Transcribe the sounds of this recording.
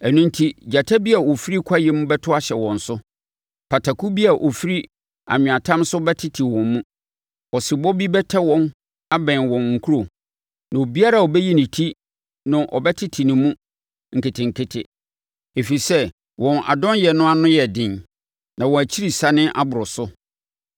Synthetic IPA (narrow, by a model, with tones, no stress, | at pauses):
æ˨nũ˦ntʰi˦d͡ʑa˨tʰa˦bi˦a˨wo˨fi˦ɾi˦kʷʰa˦jɛ˨mũ˦bɛ˦tʰʊ˦a˦ɕɛ˨wɔ̃˨n̩˨sʊ˦ | pʰa˨tʰa˨kʰu˦bi˦a˨ʔo˨fi˦ɾi˦ | a̰˨ɲᶣʊ̃˨a˨tʰã˦msʊ˦bɛ˦tʰɪ˦tʰi˨wɔ̃˨mːũ˦ | ɔ˨sɪ˨bɔ˦bi˦bɛ˦tʰɛ˦wɔ̃˦n | a˦bɛ̃˨nwɔ̃˨nŋ̩˨kʰu˦ɾo˨ | nã˨o˨bi˦a˦ɾa˦˨ɔ˨bɛ˦ji˦nɪ̃˨tʰi˦ | nʊ̃˦ʔɔ̰˨bɛ˦tʰɪ˦tʰi˨nɪ̃˨mũ˦ | ŋ̩˨kʰɪ˨tʰɪ̃˨ŋ̩˨kʰɪ˦tʰɪ̰˨ | e˨fi˨i˨sɛ˦ | wɔ̃˨na̰˨dɔ̃˦njɛ˨nʊ̃˦a˦nʊ̃˦jɛ˨dɪ̃˨n | nã˨wɔ̃˨æ˨t͡ɕʰi˦ɾi˨sa˨nɪ̃˦ʔa˦bʊ˨ɾʊ˨sʊ˦